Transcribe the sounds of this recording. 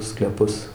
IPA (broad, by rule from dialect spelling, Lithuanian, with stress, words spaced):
sklʲɛˈpʊs